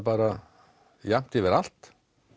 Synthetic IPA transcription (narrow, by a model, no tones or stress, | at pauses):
paːɾa | jam̥t̪ɪvɪɾal̥t̪